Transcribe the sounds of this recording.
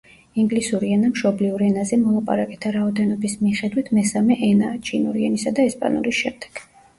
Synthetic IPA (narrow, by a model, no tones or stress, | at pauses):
iŋɡlisuɾiɛnamʃɔbliuɾɛnazɛmɔlˠapʼa̰ɾakʼɛt̪ʰaɾaɔd̪ɛnɔbismiχɛd̪wit̪ʰmɛsamɛʔɛnat͡ʃʼʰinuɾiɛnisad̪aɛspʼa̰nṵɾisʃɛmd̪̥ɛ̥ɡ̥